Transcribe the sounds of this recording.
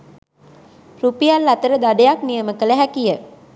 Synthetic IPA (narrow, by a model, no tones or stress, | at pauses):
rupijalːat̪əɾəd̪aɖejaknijəməkələɦækijə